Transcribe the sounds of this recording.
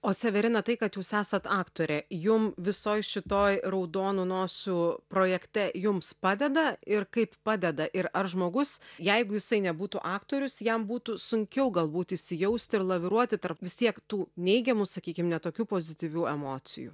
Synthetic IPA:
oːsʲɛʋʲɛɾʲɪnɐt̪ɐɪkɐt̪juːsæːsɐt̪ɑːkt̪oːɾʲejʊmʋʲɪsoːjʃʲɪt̪oːjrɐʊd̪oːnunoːsʲuːpɾoːjɛkt̪ʲɛjʊmspɑːd̪ʲɛd̪ɐɪɾkɐɪppɑːd̪ʲɛd̪ɐʔɪɾɐrʒmoːɡʊsjɛɪɡʊjɪsɐɪnʲɛbuːt̪uʔɑːkt̪oːɾʲʊsjɛmbuːt̪usʊŋʲkʲɛʊɡɐlˠbuːt̪ɪʃʲsʲɪjɛʊsʲt̪ʲɪɾlˠɐʋʲɪɾuɔt̪ʲɪt̪ɐrpʋʲɪst̪ʲiɛkt̪uːnʲɛɪɡʲɛmusɐkʲiːkʲɪmnʲɛt̪oːkʲuːpoːzʲɪt̪ʲiːʋʲuːɛmoːtsʲɪ̰jṵː

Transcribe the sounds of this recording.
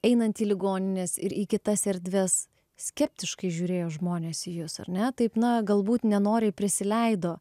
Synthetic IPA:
ɛɪnɐnt̪iːlʲɪɡoːnʲɪnʲeːsɪ̰ɾʔiːkʲɪt̪ɐsɛɾʲd̪ʲʋʲɛs | sʲkʲɛpʲt̪ʲɪʃkɐɪʒʲuːɾʲeːjoːʒmoːnʲeːsijʊsɐ̰ɾnʲɛt̪ɐɪpnɐɡɐlˠbuːt̪nʲɛnoːɾʲepʲɾʲɪsʲɪlʲɛɪd̪oː

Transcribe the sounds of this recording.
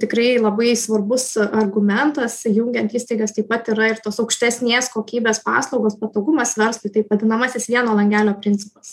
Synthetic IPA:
t̪ʲɪkɾɐɪlˠɐbɐɪsʋɐrbʊsɐrɡʊmʲɛnt̪ɐsjuŋʲɡʲɛnt̪iːst̪ɐɪɡɐst̪ɐɪpɐt̪iɾɐɪɾt̪oːsɒʊkʃʲt̪ʲæsʲnʲeːskoːkʲiːbʲeːspɑ̰ːslˠɒʊɡoːspɐt̪oːɡʊmɐsʋʲɛɾslˠʊɪt̪ɐɪpʋɐd̪ʲɪnɐmɐsʲɪsʋʲiɛnoːlˠɐŋʲɡʲæːlʲoːpʲɾʲɪnʲt͡s̪ʲɪpɐs

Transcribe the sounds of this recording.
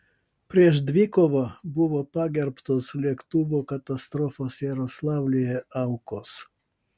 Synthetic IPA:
pʲɾʲiɛʃd̪ʲʋʲikoʋɐbʊʋopɑːɡʲɛɾpt̪oːslʲiɛkt̪uʋokɐt̪ɐst̪ɾɔfoːsjɛɾoslˠɑːʊlʲɪjɛʔɑʊkos

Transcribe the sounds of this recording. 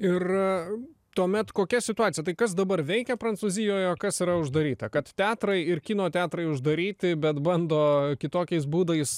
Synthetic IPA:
ɪr | t̪uɔmʲɛt̪koːkʲɛsʲɪt̪ʊɑːt͡s̪ʲsʲɪjɛt̪ɐɪkɐs̬d̪ɐbɐrʋʲɛɪkʲɛpɾɐnt̪suːzʲɪjoːjoːkɐsiːɾɐʊʒd̪ɐɾʲiːt̪ɐkɐt̪t̪ʲæːt̪ɾɐɪɪrkʲiːnoːt̪ʲæːt̪ɾɐɪʊʒd̪ɐɾʲiːt̪ʲɪbʲɛt̪bɐnd̪oːkʲɪt̪oːkʲɛɪs̬buːd̪ɐɪs

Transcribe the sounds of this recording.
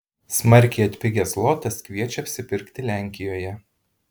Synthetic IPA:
smɐɾʲˑkʲɛɪɐt̪ʲpʲɪɡʲɛslˠɔt̪ɐskʋʲiɛt͡ʃʲɛɐpʲsʲɪpʲɪɾʲkt̪ʲɪlʲæˑŋʲkʲɪjoːjɛ

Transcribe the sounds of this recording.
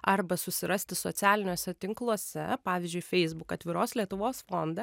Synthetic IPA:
ɐrbɐsʊsʲɪɾɐsʲt̪ʲɪsoːt̪sʲæːlʲɪnʲoːsʲɛt̪ʲɪŋklˠuɔsʲɛ̰pɑːʋʲɪzʲd͡ʒʲʊɪfʲɛɪzbʊkɐt̪ʲʋʲɪɾoːslʲiɛt̪ʊʋoːsfond̪ɐ

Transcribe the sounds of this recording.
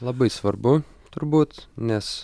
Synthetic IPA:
lˠɐbɐɪsʋɐɾbʊ | t̪ʊɾbuːt̪nʲɛs

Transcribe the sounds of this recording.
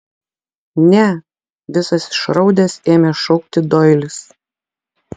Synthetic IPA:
nʲɛ | ʋʲɪsɐsʃɾɒʊd̪ʲɛseːmʲɛʃɔʊk̚t̪ʲɪd̪ɔɪlʲɪs

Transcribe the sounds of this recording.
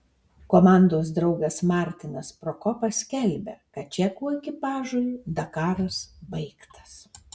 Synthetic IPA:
koːmɑˑnd̪oːs̬d̪ɾɒʊɡɐsmɑːˑɾʲt̪ʲɪnɐspɾoːkɔpɐsʲkʲɛlʲbʲɛ̰kɐt̪t͡ʃʲɛkuɔɪkʲɪpɑːʒuːjʲuːd̪ɐkɑːɾɐsbɐɪkt̪ʰɐ̥s

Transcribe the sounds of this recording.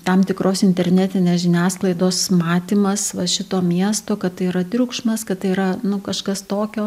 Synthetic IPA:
t̪ɐmt̪ʲɪkɾʔoːsɪnʲt̪ʲɛɾʲnʲæt̪ʲɪnʲeːsʒʲɪnʲæːsklˠɐɪd̪oːsmɑːt̪ʲiːmɐsʋɐʃʲɪt̪oːmʲiɛst̪oːkɐt̪tɐɪiɾɐt̪ʲɾʲukʃmɐskɐtt̪ɐɪiːɾɐnʊkɐʃkɐst̪oːkʲoː

